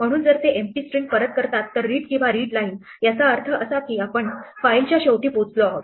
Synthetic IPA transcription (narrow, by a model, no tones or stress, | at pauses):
m̤əɽ̃uːnd͡zəɾt̪eʔempiːsʈɾiŋɡ̚pəɾət̪̚kəɾt̪at̪ːəɾːiːʈkĩw̃ʋaɾiːɽlain | jat͡saəɾt̪ʰəʔəsakiːapəɳfailt͡ɕjaɕewʈiːpot͡sloaɦot̪